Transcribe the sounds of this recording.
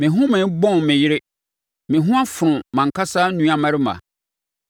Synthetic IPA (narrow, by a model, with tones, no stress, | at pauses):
mɪ̃˨ɦʊ̃˦mɪ̃˨˦bɔ̃˦nmɪ̃˨jɪ˦ɾɪ˦ | mɪ̃˨ɦʊ̃˦a˦fʊ˨ɾʊ̃˨mã˨ŋ̩˨kʰa˦sa˦nũ˦a˦mã˦ɾɪ˦mã̰˨